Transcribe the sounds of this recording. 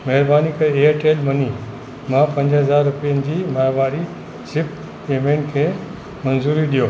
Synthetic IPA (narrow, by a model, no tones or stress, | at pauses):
mɐɦɪɾbaːnikʰɐeːəɾʈeːlmɐni | mãpɐ̃ɲd͡ʑɦɐzaːɾːʊpijənɪ̆d͡ʑiːmaːʋaːɾi | sɪp | eːmẽːɳʈkʰeː | mɐnzuːɾiɗijoː